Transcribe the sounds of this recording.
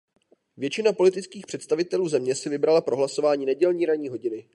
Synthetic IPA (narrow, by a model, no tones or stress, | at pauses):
vjɛt͡ʃɪnapo̞lɪt̪ɪt͡skiːxpr̥ɛt̪st̪avɪt̪ɛluːzɛmɲɛsɪvɪbɾalapɾo̞ɦlasovaːɲiːnɛɟɛlɲiːɾaɲiːɦo̞ɟɪnɪ